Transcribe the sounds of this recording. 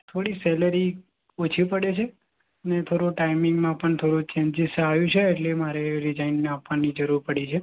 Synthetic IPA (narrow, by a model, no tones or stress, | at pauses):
t̪ʰoɽisɛləɾi | ot͡ʃʰipəɽet͡ʃʰe | ənet̪ʰoɾõʈaimɪŋɡmãpəɳt̪ʰoɾot͡ʃẽɲd͡ʒisaʋjũt͡ʃʰeːʈlemaɾeɾɪd͡ʒainːapʋanid͡ʒəɾuɾpəɽit͡ʃʰe